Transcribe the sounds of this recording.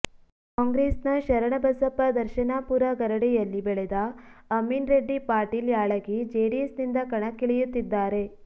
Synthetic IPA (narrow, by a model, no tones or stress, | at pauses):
kaːŋɡɾeːsnɐʃɐɾɐɳɐbɐsɐpːɐd̪ɐɾʃɐnaːpuɾɐɡɐɾɐɽɛjɐlːibɛɭɛd̪ɐːmːinɾeɖːipaːɾʈiːljaːɭɐɡid͡ʒeːɖiesnind̪ɐkɐɳɐkːiɭijut̪ːid̪ːaːɾe̞